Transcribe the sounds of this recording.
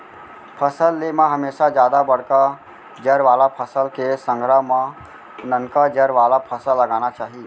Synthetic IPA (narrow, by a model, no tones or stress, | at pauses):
pʰəsəlːemãɦɐmeːʃad͡ʒjaːd̪abəɽ̤ka | d͡ʒəɾʋaːlapʰəsəlkesə̃ŋɡʱɾaɦmã | nənkad͡ʒəɾʋaːlapʰəsəlːɐɡaːnat͡ʃaːɦi